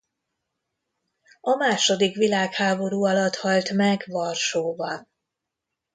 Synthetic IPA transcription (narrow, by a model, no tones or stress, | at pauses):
ɒmaːʃo̞d̪ikʋilaːkhaːbo̞ɾuːɒlɒt̪hɒlt̪mɛɡʋɒrʃoːbɒn